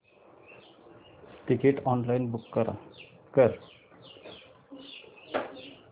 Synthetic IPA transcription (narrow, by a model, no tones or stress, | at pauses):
ʈikeʈɔnlainbukːəɾa̰ | kəɾ